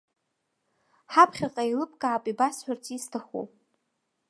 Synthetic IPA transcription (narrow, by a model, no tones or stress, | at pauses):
ħapʰχʲaqʼailɨpʼkʼaːpʼibasħᶣartʰistʰaχo̰